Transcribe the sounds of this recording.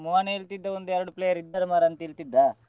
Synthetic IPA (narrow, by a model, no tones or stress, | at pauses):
muʋaːneilt̪id̪ːɐond̪uɛɾɐɽupleːjɐɾid̪ːɐɾmaːɾɐnt̪ɐilt̪id̪ːɐ